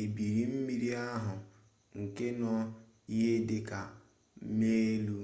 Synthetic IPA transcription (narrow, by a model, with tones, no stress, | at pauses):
e˨bi˨ɾi˨m̩˦mi˨ɾi˦a˦ɦʊ˨ | ŋ̩˨ke˦nɔ˦ | i˦ɦe˦dɪ˨ka˨˦ | me˦lu˦